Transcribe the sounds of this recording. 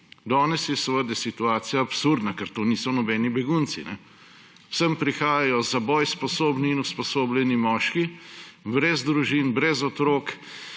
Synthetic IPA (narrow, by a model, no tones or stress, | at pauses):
d̪ɔːnɛsjɛsəʋəd̪ɛsit̪uaːt̪sijaːpsuɾd̪nakɛɾt̪oːniːsɔnɔbɛːnibɛɡunt̪sḭnɛ̥ | səmpɾixaːjajɔzabɔjspɔsoːbniːnuspɔsoːblʲɛnimɔːʃkibɾɛzd̪ɾuʒiːnbɾɛzɔt̪ɾoːk